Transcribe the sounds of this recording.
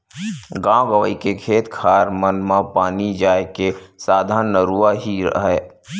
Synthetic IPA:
ɡãːwɡəʋəikekʰeːt̪kʰaːɾmənmãpaːnid͡ʒaːekesaːd̪ʱaːnːəɾuːaɦiɾə̰ɦɛː

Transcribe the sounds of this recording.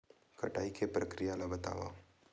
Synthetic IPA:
kɐʈaːikepɾəkɾijalabət̪a̰ːʋa̰

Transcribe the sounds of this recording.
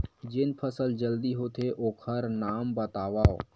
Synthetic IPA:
d͡ʒɪnpʰəsəld͡ʒəld̪iɦot̪ʰeʔoːkʰəɾnaːmbət̪aːʋaːo̰

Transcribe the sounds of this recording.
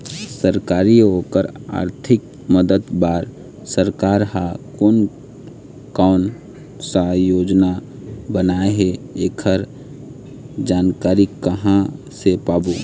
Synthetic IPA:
səɾkaːɾiɦoːkəɾa̰ːɾt̪ʰɪk̚ | məd̪əd̪baːɾ | səɾkaːɾɦakoːn | kaʊn | sajoːd͡ʒna | bənaːeɦeeːkʰəɾ | d͡ʒaːnkaːɾikːəɦã | sepaːboː

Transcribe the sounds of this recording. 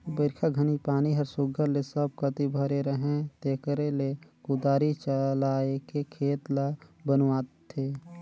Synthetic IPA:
bəɾkʰaɡʱənipaːniɦəɾsʊɡʱəɾlesəb̚kət̪ibʱəɾeɾəɦẽt̪eːkəɾelekʊd̪aːɾit͡ʃəlaːekekʰeːt̪labənaːt̪t̪ʰːeː

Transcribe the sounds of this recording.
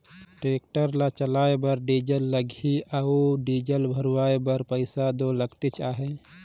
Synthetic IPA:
ʈɾeːk̚ʈəɾlat͡ʃəlaːebəɾɖiːd͡ʒəlːəɡʱiʔauɖiːd͡ʒəlbʱəɾwaːebəɾpəɪsad̪oləɡt̪et͡ʃaːɦe

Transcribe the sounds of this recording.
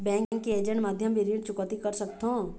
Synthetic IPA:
bɛ̃ːŋkŋkːeeːd͡ʒə̃ɳʈmad̪ʱjəmbiɾiɳʈt͡ʃʊkət̪ikəɾsəkt̪ɦõː

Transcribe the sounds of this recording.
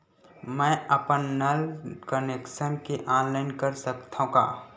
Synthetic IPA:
mɛ̃əpənːɐlkəneksənkeʔaːnlaːɪnkəɾsəkt̪ʰũka̰ː

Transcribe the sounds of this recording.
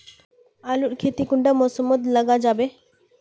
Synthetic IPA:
aluɾkʰet̪ikuɳɖamɔsɔmːɔd̪laɡad͡ʒabe

